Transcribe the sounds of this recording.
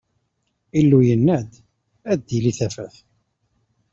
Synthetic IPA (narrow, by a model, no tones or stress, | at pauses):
ilːujənːæd̪ | æd̪ːiliθæfæθ